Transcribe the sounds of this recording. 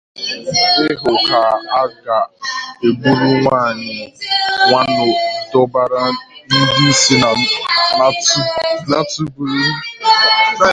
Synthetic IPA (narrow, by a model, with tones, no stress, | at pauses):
ɪ˦ɦʊ˨ka˨a˦ɡa˨e˨ɡ͡bu˦ɾu˦ŋʷaː˦˨ɲɪ˨ŋʷa˦nʊ˨dɔ˦ba˦ɾa˦n̩˦di˦si˦a˨˦ | na˦tu˦bu˦ɾi˦